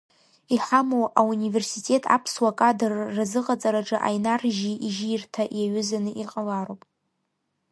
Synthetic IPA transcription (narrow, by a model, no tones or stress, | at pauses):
iħamowaunive̞rsitʼe̞tʼa̰pʰswakʼadɨrːazɨqʼat͡sʼaɾaʈ͡ʂʼɨʔa̰jnarʒiʔiʒirtʰaʔjaɥʏzanɨʔiqʼalaɾowpʼ